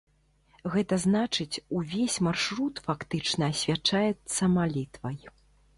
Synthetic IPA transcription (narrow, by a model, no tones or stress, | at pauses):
ɣɛt̪ɐznat͡ʂɨt͡sʲuvʲesʲmarʂɾut̪fakt̪ɨt͡ʂnɐːsʲvʲat͡ʂajɛt̪sːɐmalʲit̪vɐj